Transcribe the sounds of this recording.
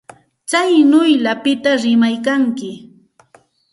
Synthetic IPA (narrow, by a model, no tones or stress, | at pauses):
t͡sajnʊjlapɪt̪aɾɪmajkaŋkɪ